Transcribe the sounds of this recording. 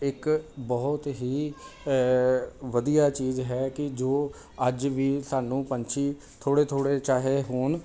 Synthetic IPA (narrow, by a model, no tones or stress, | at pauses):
ɪkbɔːʊt̪ɦiː | ʋəd̪ijaːt͡ʃiːzɦɛːkɪd͡ʒoː | əd͡ʒʋiːsaːnũːpəɲt͡ʃʰiː | t̪ʰoːɽeːt̪ʰoːɽeːt͡ʃaːɦeːɦoːn